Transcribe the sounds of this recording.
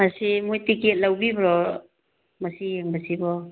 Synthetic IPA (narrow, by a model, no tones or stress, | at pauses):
masimojtiket̚lawbibɾɔ | masijeŋbasibɔ